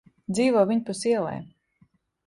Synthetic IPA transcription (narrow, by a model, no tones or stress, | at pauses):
d̪ziːvɔːvʲiɲpusiɛlˠɛ̰j